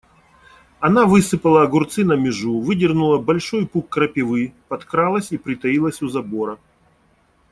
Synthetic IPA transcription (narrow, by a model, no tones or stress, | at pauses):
ɐnavɨsɨpəlˠəːɡʊrt̪sɨnɐmʲɪʐuvɨdʲɪrnʊlˠəbɐlʲʂo̞jpukːɾəpʲɪvɨpɐt̪kɾalˠəsʲipɾʲɪt̪ɐilˠəsʲʊzɐbo̞ɾə